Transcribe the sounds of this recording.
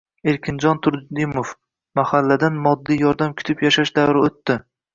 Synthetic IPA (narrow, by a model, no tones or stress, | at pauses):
eɾkʲʰɪnd͡ʒɒnt̪ʰʊɾd̪d̪ɪmof | mahalːad̪anmɒd̪ːijɒɾd̪amkʲʰʊ̥t̪ʰɪpjaʃaʃd̪awɾɪot̪ːɪ